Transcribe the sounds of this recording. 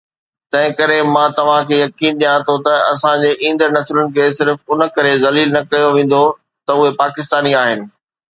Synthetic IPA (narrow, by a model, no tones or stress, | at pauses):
t̪ɐ̃ɦɪ̃kɐɾemãːt̪ɐʋ̤ãkʰeːjɐkiːnɗ̪ijãt̪ʰot̪ɐɐsãd͡ʑeːʔĩːn̆d̪əɾnɐslʊnɪ̆kʰeːsɪɾfʊnkɐɾezɐliːlnɐkɐjoʋẽːn̆d̪o | t̪ɐʊɦepaːkɪst̪aːniaːɦɪnɪ̆